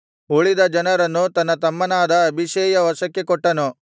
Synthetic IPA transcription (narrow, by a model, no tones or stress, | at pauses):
oɭid̪ɐd͡ʒɐnɐɾɐnːut̪ɐnːɐt̪ɐmːɐnaːd̪ɐːbʱiʃeːjɐʋɐʃɐkːekɔʈːɐnu